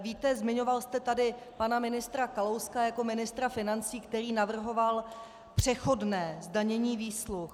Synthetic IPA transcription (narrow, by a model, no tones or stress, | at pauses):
viːt̪ɛzmɪɲo̞valst̪ɛt̪adɪ | panamɪnɪst̪ɾakalowskajako̞mɪnɪst̪ɾafɪnant͡siːkt̪ɛɾiːnavr̩ɦo̞val | pr̝̥ɛxo̞dnɛːzdaɲɛɲiːviːslux